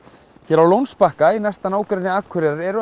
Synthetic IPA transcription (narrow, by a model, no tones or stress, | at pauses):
çɛɾawlownspahkainɛst̪anaːwkɾenɪaːkʰːœɾɛɾaɾɛɾʏ